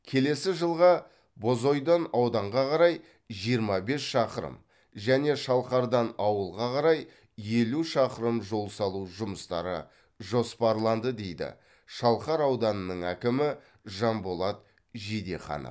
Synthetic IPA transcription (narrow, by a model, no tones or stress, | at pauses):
kʲʰe̞le̞sɪʒəlˠʁɑ | bo̞zo̞jd̪ɑnɑwd̪ɑɴʁɑqʰɑɾɑj | ʒijəɾmɑbe̞sʃɑqəɾə̰m | ʒæne̞ʃɑlˠqɑɾd̪ɑnɑwəlˠʁɑqʰɑɾɑj | je̞luʃɑqəɾəmʒo̞lˠsɑlˠuʒʊməst̪ɑ̰ɾə̰ | ʒo̞spɑɾlˠɑnd̪əd̪e̞jd̪ɪ̰ | ʃɑlˠqɑɾɑwd̪ɑnənəɴækʲɪmɪ | ʒɑmbolˠɑt̪̚ | ʒed̪e̞̰χɑ̰nə̰